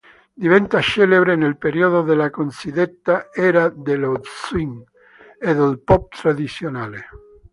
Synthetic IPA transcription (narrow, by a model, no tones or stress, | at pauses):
d̪ivɛnt̪at͡ʃɛleβɾenelpeɾioðoðelakonsid̪et̪ːaɛːɾad̪elodswiŋ | eðelpɔp̚t̪ɾad̪it̪sjonaːle